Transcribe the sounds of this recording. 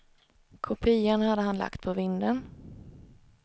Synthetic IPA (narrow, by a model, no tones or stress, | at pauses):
kʰʊpʰiːanhad̪ːəɦanla̰kt̪̚pʰɔvɪnd̪ən